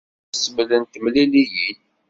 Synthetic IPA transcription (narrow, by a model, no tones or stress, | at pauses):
səmlənt̪əmlilijil